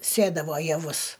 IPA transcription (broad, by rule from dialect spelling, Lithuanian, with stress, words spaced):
ˈsʲeːdɐʋoː jɛˈʋʊs